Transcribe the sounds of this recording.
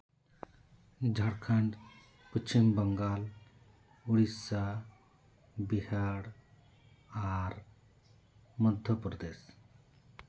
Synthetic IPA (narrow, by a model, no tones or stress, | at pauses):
d͡ʒʱaɽkʰaɳɖ | pət͡ʃimbəŋɡal | uɽisa | bihaɽ | aɾ | mɔd̪ʱjəpɾd̪es